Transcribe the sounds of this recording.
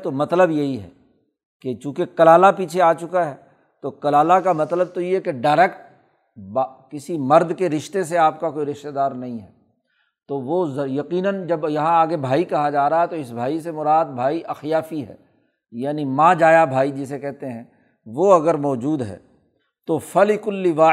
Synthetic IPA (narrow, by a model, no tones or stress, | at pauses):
t̪omɐt̪ləbjɐɦiɦɛ̰ː | ket͡ʃũːkekɐlaːlapiːt͡ʃʰeaːt͡ʃʊkaɦɛː | t̪okɐlaːlakamɐt̪ləb̚t̪ojeɦɛkeɖaːɾɛːkʈ̚ | bakɪsimɐɾd̪keɾɪʃt̪eseaːp̚kakoːiɾɪʃt̪ed̪aːɾnɐɦĩɦɛː | t̪oʋozɐjɐqiːnənd͡ʒɐbjɐɦãaːɡebʱaːikɐɦad͡ʒaːɾaɦaɦɛt̪oɪsbʱaːisemʊɾaːd̪̚bʱaːiʔɐxjaːfiɦɛ̰ː | jaːnimãːd͡ʒaːjabʱaːid͡ʒɪsekɛɦt̪eɦɛ̃ː | ʋoɐɡəɾmɔːd͡ʒuːd̪ɦɛ̰ː | t̪ofɐlɪkʊlːiʋaː